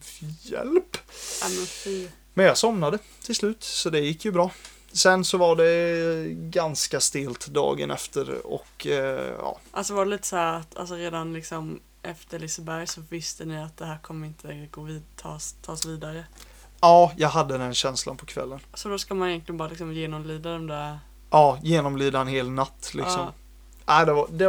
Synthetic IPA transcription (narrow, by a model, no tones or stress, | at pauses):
jɛ̰lpamɛnf | mɛnjɑːɡsɔmnad̪ə | t̪ʰɪlslʉ̟ːt̪sɔd̪ɛjɪkːjɵbɾɑː | sɛnsɔvaɖɛ | ɡanskast̪eːlt̪d̪ɑ̰ːɡə̰nɛ̰ft̪əɾɔ̰kjɑ̰ːʔa̰lsɔvaɖɛliːt̪ə̥shæːɾat̪ʰa̰lsɔɾeːd̪anlɪksɔm | ʔɛft̪əɭɪsəbæɾjsɔvɪst̪ənɪat̪̚d̪ɛɦæːɾkʰɔmːəɾɪnt̪ʰəɡoːvːt̪ʰːɑ̰ːst̪ʰːɑːsviːd̪aɾə | ɑːjɑːɡɦad̪ːəd̪ɛnɕɛnslanpʰɔkʰvɛ̰lːənsɔd̪ɔskamanɪjɛnk̪lɪənbɑːɾalɪksɔmjeːnɔmlyːd̪ad̪ɔmd̪æ | ʔɑːjeːnɔmlyːd̪aɛnheːlnat̪ːlɪksɔm | ʔæɪd̪ɛad̪ɛ